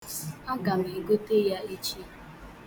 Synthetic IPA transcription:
a˦ɡa˨m̩˨i˨ɡo˦te˦ja˦i˦t͡ʃi˦

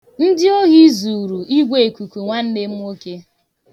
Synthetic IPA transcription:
n̩˦dɪ˦o˦ɣi˦zu˨ɾu˨ʔi˦ɡʷe˦˨e˨kʷu˨kʷu˨ŋʷa˦n̩˦nɪ˦m̩˦o˦ke˦

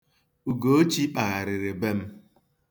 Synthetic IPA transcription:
u˨ɡo˦o˦t͡ʃi˦k͡pa˨a˨ɾɪ˨ɾɪ˨be˦m̩˦

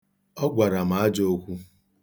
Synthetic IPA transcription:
ɔ˦ɡʷa˨ɾa˨m̩a˨a˦d͡ʒo˦o˦kʷu˦

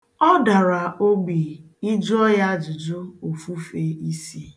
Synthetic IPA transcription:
ɔ˦da˨ɾa˨o˦ɡ͡bi˨ | i˦d͡ʒʊ˦ɔ˦ja˦d͡ʒʊ˨d͡ʒo˦o˨fu˦fe˦i˦si˦

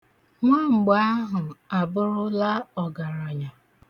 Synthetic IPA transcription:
ŋʷa˦˨ŋ͡m̩˨ɡ͡ba˦a˦ɦʊ˨a˨bʊ˦ɾʊ˦la˦ɔ˨ɡa˨ɾa˨ɲa˨

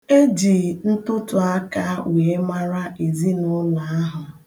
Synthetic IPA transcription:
e˦d͡ʒi˨n̩˦tʊ˦tʊ˨a˦ka˦we˨e˦ma˦ɾa˦ʔe˨zi˦nʊ˦na˨a˦ɦʊ˨

